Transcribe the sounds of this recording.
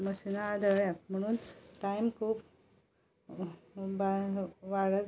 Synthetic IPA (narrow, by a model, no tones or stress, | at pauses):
məɕinaːd̪ʱəɭjam̤əɽ̃uːnʈajmkʰuːp | baʋaɽə